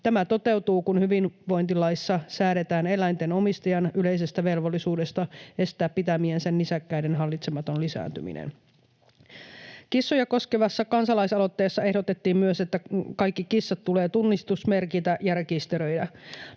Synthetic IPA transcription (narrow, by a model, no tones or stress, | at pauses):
t̪æmæt̪o̞t̪e̞wt̪uːkunhyʋinʋo̞jnt̪ilɑjsːɑsæːɾe̞t̪æːne̞læjnt̪e̞no̞mist̪ɑjɑnyle̞js̬e̞st̪æʋe̞lʋolːisuːde̞st̪ɑe̞st̪æːppːit̪æmiensenːisækːæidenɦɑlːit̪semɑt̪o̞nlisæ̰ːnt̪y̰mḭnḛn | kisːujɑko̞skeʋɑsːɑkɑnsɑlɑisɑlot̪ːe̞ːsːɑe̞hdo̞t̪e̞t̪ːiːmmyøset̪ːækɑjkːikisːɑt̪ːule̞ːt̪unːist̪usme̞rkit̪æjærekist̪eɾø̞jdæ